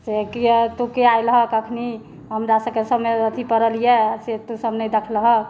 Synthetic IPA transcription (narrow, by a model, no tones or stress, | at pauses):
sekit̪ukeajlɦəkəkʰni | ɦəmɾasəkesəbmeət̪ʰipəɾəlijeset̪usəbnəjd̪ekʰlɦək